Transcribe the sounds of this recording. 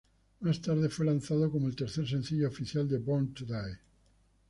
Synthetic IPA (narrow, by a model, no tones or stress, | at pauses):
mast̪aɾðefwelanθaðokomoelt̪eɾθeɾs̬ẽ̞n̟θiʎoːfiθjald̪ebont̪d̪aj